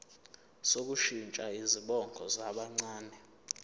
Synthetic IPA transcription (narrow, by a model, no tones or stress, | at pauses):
sok̬ʼuʃint͡ʃʼaiziɓɔŋɡʱɔzaɓaŋ͡ǀaːnɛ